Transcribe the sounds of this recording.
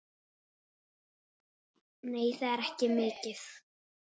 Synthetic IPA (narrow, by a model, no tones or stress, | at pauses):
neːjθaðɛɾɛhcɪmɪːcɪθ